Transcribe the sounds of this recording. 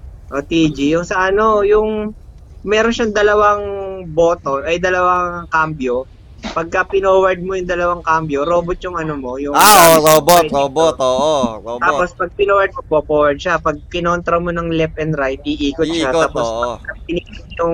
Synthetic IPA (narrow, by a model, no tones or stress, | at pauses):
ʔot̪iːd͡ʒijʊŋsɐʔɐno̞jʊŋ | mɛːɾonʃɐŋd̪ɐlɐwaŋboːt̪oɐjd̪ɐlɐwɐŋkaːmbjo̞ | pɐɡ̚kɐpɪnoːwɐɹd̪̚mojʊŋd̪ɐlɐwaŋkaːmbjoɾo̞ːbot̪̚jʊŋʔɐnomo̞jʊŋaoɾoːbooːbot̪oːʔooːt̪aːpospɐɡ̚pɪnoːwɐd̪̚moboːpowɐɹd̪̚ʃapɐɡ̚kɪnont̪ɾɐmonɐŋlɛp̚ʔɛnd̪ɾajt̪ʔiʔiːkot̪̚ʃat̪aːposɐɐɡ̚pɪnɪk̚ɪt̪jʊŋ